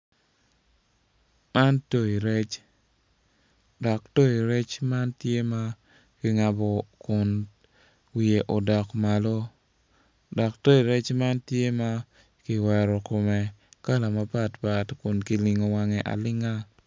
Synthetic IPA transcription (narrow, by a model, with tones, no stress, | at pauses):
ma˦nto˦i˨ɾe˦t͡ʃ | dɔ˨kto˦i˨ɾɛ˦t͡ʃma˦ntje˦ma˦ | kɪ˨ŋa˨bɔ˨kʊ˨n | wi˨e˨ʔo˨dɔ˨kma˨lo˦ | dɔ˨kto˦i˨ɾɛ˦t͡ʃma˦ntje˦ma˦ | kɪ˨wɛ˨ɾɔ˨ko˨mɛ˨ka˦la˨ma˦pa˦tpa˨tkʊ˨nki˨lɪ˨ŋo˨wa˨ŋɛ˨ʔa̰˨lɪ˦ŋa˦